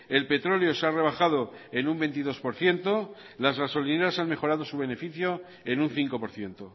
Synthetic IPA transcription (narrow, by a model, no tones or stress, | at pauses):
e̞lpe̞t̪ɾo̞lejo̞seare̞β̞axað̞o̞ | e̞numbe̞nt̪iðo̞spo̞ɾθje̞nt̪o̞ | lazɣaso̞line̞ɾasanme̞xo̞ɾaðo̞suβe̞ne̞fiθjo̞ | enunθiŋko̞po̞ɾθje̞nt̪o